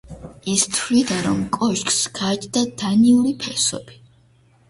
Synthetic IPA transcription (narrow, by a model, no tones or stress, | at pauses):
ist̪ʰɾid̪aɾɔmkʼɔʃkʼsɡ̥at͡ʃd̪ad̪aniuɾipʰɛsɔ̰bi̥